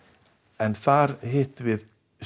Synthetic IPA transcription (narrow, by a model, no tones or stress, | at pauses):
ɛnθaɾɦɪːt̪vɪð